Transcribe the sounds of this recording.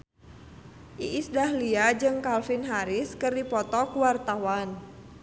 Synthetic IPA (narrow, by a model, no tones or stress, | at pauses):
ʔiʔːsdahliad͡ʒɨŋkalfinɦaɾɪskɨrdipɔt̪ɔkuwart̪awan